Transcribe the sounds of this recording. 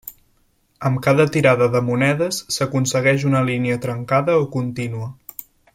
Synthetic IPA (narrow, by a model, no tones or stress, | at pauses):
əmkaðət̪iɾaðəðəmunɛðəsːəkunsəɣɛʒunəliniət̪ɾəŋkaðəokunt̪inuə